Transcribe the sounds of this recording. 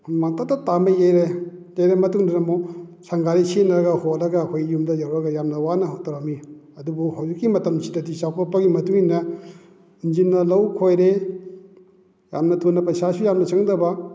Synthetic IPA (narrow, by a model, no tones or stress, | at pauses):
maŋtatːɐtamɐjejɾejejɾemɐtuŋdaɾɐmosaŋɡaɾisenɾɐɡɐhotɾɐɡɐːkʰojjumdɐjawɾɐɡɐjamnɐwanɐɦotɐɾamiɐdubuhawzikːimɐtɐmsʰidɐdisawkʰɔt̚pːɐɡimɐtuŋinɐ | ind͡ʒinːɐlɐwkʰojɾe | ja̰mnɐtʰonːɐpɐsasujamnɐsʰaŋdɐbɐ